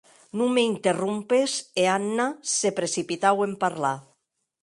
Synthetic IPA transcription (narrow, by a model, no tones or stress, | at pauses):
nũmeint̪erumpeseanːasepɾesipit̪awempaɾla